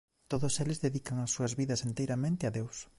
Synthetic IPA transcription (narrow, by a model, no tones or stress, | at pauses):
t̪oðʊselɪzðeðikɐŋɐsːuɐzβiðɐsent̪ejɾamẽnt̪ɪɐðews